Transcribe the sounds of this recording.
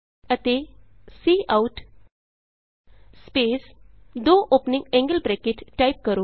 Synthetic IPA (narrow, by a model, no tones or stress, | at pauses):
ət̪e | siːʔauʈ | speːsd̪oːʔoːpnĩŋɡɛ̃ŋɡəlbɾɛkeʈʈajp̚kəɾo